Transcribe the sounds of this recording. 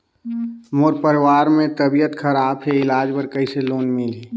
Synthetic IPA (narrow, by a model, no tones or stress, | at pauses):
moːɾpəɾɪwaːɾmẽt̪əbijət̪kʰəɾaːbɦeɪlaːd͡ʒpəɾkəiseloːnmɪli